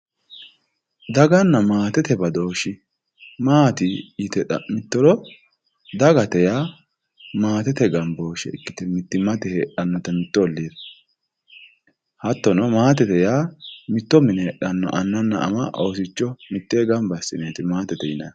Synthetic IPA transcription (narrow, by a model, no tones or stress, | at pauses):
d̪ɐɡɐnːɐmaːt̪ɛt̪ɛbɐd̪o̞ːʃɪ | maːt̪ɪjɪt̪ɛmɪt̪ːɔlɔ | d̪ɐɡɐt̪ɛjaː | maːt̪ɛt̪ɛɡɐmbo̞ːʃɛ̰ɪkːɪ̥t̪ɛmɪt̪ːɪmɐt̪ɛheːɗɐnːɔt̪ɐmɪt̪ːɔɔlːiːd̪ | hɐt̪ːɔnɔmaːt̪ɛt̪ɛjaːmɪt̪ːɔmɪnɛɗɐnːɔ̰ʔɐnːɐnːɐ̰ʔɐ̰mɐʔoːsɪt͡ʃːɔmɪt̪ːeːɡɐmbɐsːɪneːt̪ɪmaːt̪ɛt̪ɛjɪnɐj